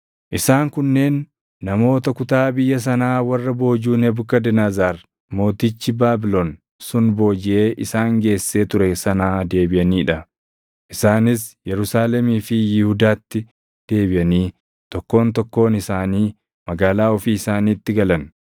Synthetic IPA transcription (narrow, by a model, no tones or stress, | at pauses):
ʔɪsaːŋkʊnːe̞ːnː | ɐmo̞ːt̪ɐkʊt̪aːbɪjːɐs̬ɐnaːwɐrːɐbo̞ːd͡ʒuːnɛbʊkːɐd̪ɛnaːzaːɾ | mo̞ːt̪it͡ʃːɪbaːbɪloːn | sʊnbo̞ːd͡ʒɪʔe̞ːʔɪsaːŋɡe̞ːsːe̞ːt̪ʊɾɛsɐnaːd̪e̞ːbɪʔɐniːᶑɐ | ʔɪsaːnɪsjɛɾʊsaːlɛmiːfɪjɪhʊd̪aːt̪ːɪ | d̪̥e̞ːbɪʔɐniː | t̪ɔkːo̞ːnt̪ɔkːo̞ːnɪsaːniː | mɐɡaːlaːɔfiːɪsaːniːt̪ːɪɡɐlɐn